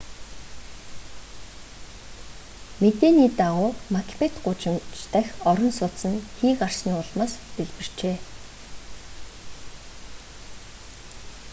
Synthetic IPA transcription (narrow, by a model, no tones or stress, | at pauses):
met̪eːniːt̪aʁʊːmakʰʲpʰet̪ɢʊt͡ɕɪ̆mt͡ɕt̪æxʲɔɾɞ̆nsʊt̪sə̆nxiːkar̥sniːʊɮmaːst̪eɮpɘ̆r̥t͡ɕeː